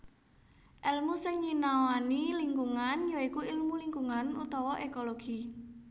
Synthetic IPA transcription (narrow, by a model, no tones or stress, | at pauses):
ʔɛlmusɪŋːinawaniliŋɡuŋanjoikuilmuliŋɡuŋanṵt̪ɔwɔʔekoloɡ̥i